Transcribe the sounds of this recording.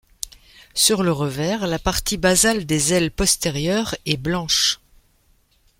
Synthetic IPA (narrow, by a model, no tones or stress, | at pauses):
syʁləʁəvɛʁlapaʁt̪ibazald̪ezɛlpɔst̪eʁjœʁɛblɑ̃ʃ